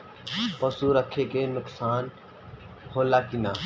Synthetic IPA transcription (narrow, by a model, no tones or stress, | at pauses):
pəsuɾəkʰekenʊksaːn | holakina